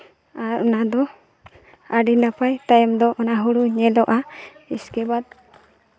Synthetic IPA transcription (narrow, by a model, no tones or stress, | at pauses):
aɾɔnad̪ɔ | aɖinapajt̪ajɔmd̪ɔʔɔnaɦuɽuɲɛlɔʔaiskɛbad̪̚